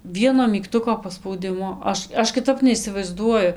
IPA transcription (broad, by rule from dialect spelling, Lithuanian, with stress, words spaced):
ˈʋʲiɛnoː mʲiːkˈtʊkoː pɐspɐʊˈdʲɪmʊ ˈɐʃ ˈɐʃ kʲɪˈtɐp nʲɛɪsʲɪʋɐɪzˈduɔjʊ